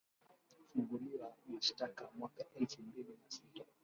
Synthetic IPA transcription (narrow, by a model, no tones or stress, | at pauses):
fuŋɡuliwaniʃtakamwakaʔɛlfumbilinasita